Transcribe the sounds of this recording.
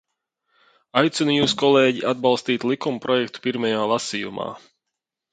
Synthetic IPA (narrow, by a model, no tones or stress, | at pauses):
ajt̪sunjuːskɔlˠɛːɟiʔad̪̚balˠst̪iːt̪ʲlˠikumpɾɔjɛkt̪u̥piɾmɛjaːlˠasijṵma̰ː